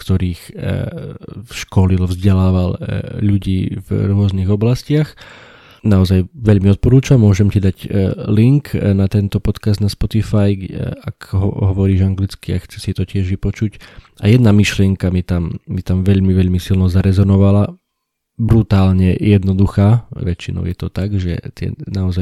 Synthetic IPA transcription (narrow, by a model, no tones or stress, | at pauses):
kt̪ɔɾiːx | ʃkɔlilvzɟɛlaːʋalʎuɟiːvɾʊɔzniɣɔblascɪax | naɔzajʋɛʎmiɔt̪̚pɔɾuːt͡ʃamːʊɔʒɛmcid̪aɟliŋknat̪ɛnt̪ɔpɔt̪kazd̪naspɔt̪ifajakɦɔɦɔʋɔɾiːʒaŋɡlit͡skia̰xt͡sɛ̥sit̪ɔcɪɛʒʋipɔt͡ʃuc | a̰jɛd̪namiʃlɪɛŋkamit̪amːit̪amʋɛʎmiʋɛʎmisilnɔzaɾɛzɔnɔʋala | bɾut̪aːlɲɛjɛd̪nɔd̪uxaːʋɛt͡ʃːinɔ̰ʊjɛt̪ɔt̪aɡʒɛ̰t̪ɪɛ̰naɔzaj